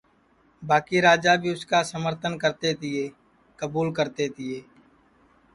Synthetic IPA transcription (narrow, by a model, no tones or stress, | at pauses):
baːkiɾaːd͡ʒabʱiʊskasəməɾt̪ʰənkəɾt̪et̪ɪeː | kəbuːlkəɾt̪et̪ɪeː